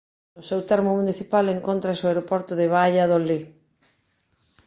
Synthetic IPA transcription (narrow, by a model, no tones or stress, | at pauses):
nʊsewt̪ɛɾmomuniθipaleŋkont̪ɾaesoaeɾopɔɾt̪oðeβ̞aʎaðoli